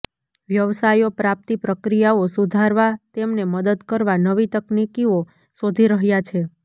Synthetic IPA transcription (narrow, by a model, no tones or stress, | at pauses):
ʋjəʋsajopɾap̚t̪ipɾəkɾijaosud̪ʱaɾʋat̪emneməd̪əd̪kəɾʋanəʋit̪əknikio | sod̪ʱiɾəɦjat͡ʃʰe